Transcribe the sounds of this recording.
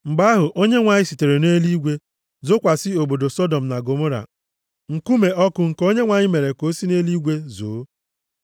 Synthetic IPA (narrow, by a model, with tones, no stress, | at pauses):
m̩˨ɡ͡ba˦ɦʊ˨ʔo˦ɲe˦ŋʷa˨ɲɪ˦si˨te˨ɾe˨ne˦li˦ɡʷe˦ | zo˦kʷa˨sɪ˦o˨bo˨do˨sɔ˦dɔ˨m̩˨na˨ɡo˨mo˦ɾa̰˨ | ŋ̩˨ku˦me˨ʔɔ˦kʊ˨ŋ̩˨ko˦ɲe˦ŋʷa˨ɲɪ˦me˨ɾe˨ko˦si˦ne˦li˦ɡʷe˦zoː˨˦